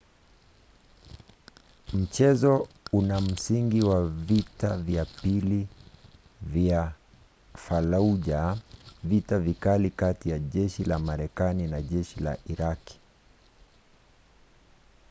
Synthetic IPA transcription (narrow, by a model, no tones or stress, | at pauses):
m̩t͡ʃɛzɔ | unam̩siŋɡiwavitavjapili | vja | falauʄavitavikalikatijaʄɛʃilamaɾɛkaninaʄɛʃila̰ʔiɾaki̥